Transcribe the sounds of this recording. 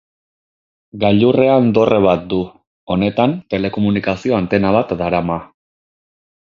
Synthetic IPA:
ɡaʎure̞and̪o̞rʔe̞β̞at̪̚d̪u | o̞ne̞t̪ant̪e̞le̞ko̞munikasio̞ant̪e̞naβ̞at̪d̪aɾama

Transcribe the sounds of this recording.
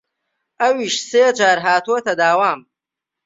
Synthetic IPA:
ʔɐwiʃseːd͡ʒaːɾɦaːt̪uɐt̪ɐd̪aːwaːm

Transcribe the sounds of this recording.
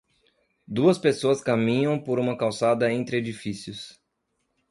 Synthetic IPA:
d̪uɐspesoɐskamĩɲɐ̃w̃poɾũmɐkawsad̪ɐẽnt̪ɾɪed͡ʒifisijʊs

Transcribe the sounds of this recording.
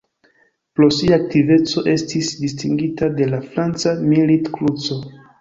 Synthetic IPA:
pɾo̞siaːk̚tive̞t͡so̞ʔe̞stisdistiŋɡitade̞lafɾant͡samilitklut͡so

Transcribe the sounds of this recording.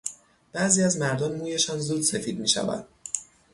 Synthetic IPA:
b̥æziːæzmæɾd̪ɒnmuːje̞ʃɒːnzud̪se̞fiːd̪̚miːʃæ̰væ̰nd̪̥̚

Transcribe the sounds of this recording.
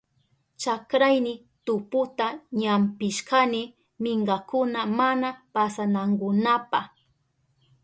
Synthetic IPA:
t͡ʃakɾajnɪ | t̪ʊpʊt̪aɲampɪʃkanɪ | mɪɴɢakʊnamanapasanaŋɡʊnapaχ

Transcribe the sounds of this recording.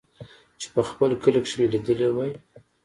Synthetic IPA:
t͡ʃe̥pəxpəlkəlakʃwelid̪əlewaj

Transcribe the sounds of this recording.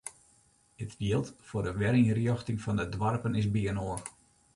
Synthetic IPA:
ətrjiəlˠtfoɾəʋɛɾiŋrjɔxtɪŋfɔndədʋɔrpənɪsbiənoər

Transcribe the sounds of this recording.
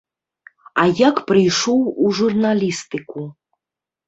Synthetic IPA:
ajakpɾɨjʂowuʐurnalʲist̪ɨku

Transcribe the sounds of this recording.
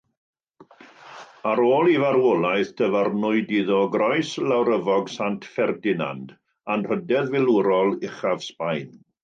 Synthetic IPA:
aɾoːlˠivaɾwɔlˠajθd̥ʰəvarnʊɨdiðɔɡrɔɨslawɾəvɔɡsantʰfɛrdɪna̰nd | anr̥ədɛðvɪlˠʊɾɔlˠɪχav̥spajn

